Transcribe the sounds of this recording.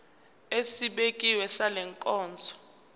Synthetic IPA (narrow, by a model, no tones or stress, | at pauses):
esiɓekʼiwɛsalɛŋkʼɔːnt͡sʼɔ̥